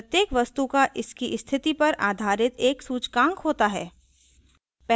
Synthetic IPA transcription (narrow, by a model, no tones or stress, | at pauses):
pɐt̪jeːkʋɐst̪ukaʔɪskiʔst̪ʰɪt̪ipɐɾaːd̪ʱaːɾɪt̪eːksuːt͡ʃkãːŋkɦoːt̪aɦɛː | pɛ